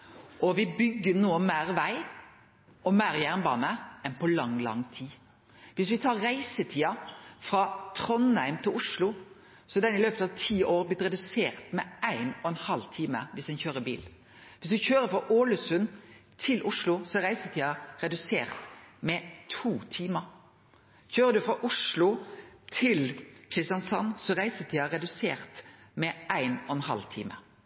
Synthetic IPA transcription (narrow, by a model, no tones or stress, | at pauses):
ʔɔʋɪbʏɡːənoːmæːɾʋæɪ | ʔɔmæɪʁjæʁnbɑ̰ːnəɛnpʰɔlɑŋlɑ̰ŋt̪ʰiː | ʋɪsʋɪt̪ʰɑːɾːæɪsət̪ʰiːɑfɾɑt̪ʰɾɔnhæɪmt̪ʰɪlʊʂlʊ | sɔd̪ɛnɪløːpət̪ɑʋt̪ʰiːoːɾblɪt̪ɾɛd̪ʉseːɾt̪mɛæɪnɔɛnhɑlt̪ʰiːmə̰ʋɪsd̪ɛnçøːɾəbḭːl | ʋɪsd̪ʉçøːɾəfɑʔoːlʉsʉnt̪ʰɪlʔʊʂlʊsɔɾæɪsət̪iːɑɾɛd̪ʉsḛːɾt̪mɛt̪ʰuːt̪ʰiːməɾ | çøːɾəd̪ʉfɾɑʔʊʂlʊt̪ʰɪlkʰɾɪst̪jɑnsɑnːsɔɾæɪsət̪ʰiːɑɾɛd̪ʉseːɾt̪mɛæɪnɔɛnhɑ̰lt̪ʰḭːmə̰